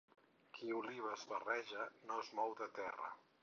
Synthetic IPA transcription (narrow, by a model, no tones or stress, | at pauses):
kʰiuliβ̞əzβərɛʒənozmɔwðət̪ɛrə̰